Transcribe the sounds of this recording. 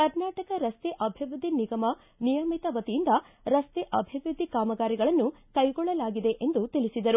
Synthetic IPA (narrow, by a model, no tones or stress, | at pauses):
kɐɾnaːʈɐkɐɾɐst̪eʔɐbʱiʋɾud̪iniɡɐmɐ | nijɐmit̪ɐʋɐt̪ijind̪ɐ | ɾɐst̪eʔɐbʱiʋɾud̪ʱikaːmɐɡaːɾiɡɐɭɐnːu | kɐjɡɔɭːɐlaːɡid̪e̞ʔe̞nd̪ut̪ilisid̪ɐɾu